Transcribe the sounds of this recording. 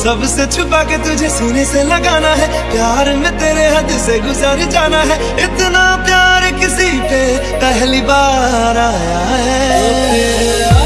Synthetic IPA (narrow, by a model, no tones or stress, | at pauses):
səbset͡ʃʰʊpaːket̪ʊd͡ʒʱesʊneseləɡaːnaːɦɛː | pjaːɾmɛ̃t̪eːɾeɦəd̪seɡʊzaːɾd͡ʒaːnaːɦɛː | ɪt̪naːpjaːɾkɪsit̪e | pɛɦliːbaːɾaː | ɦɛ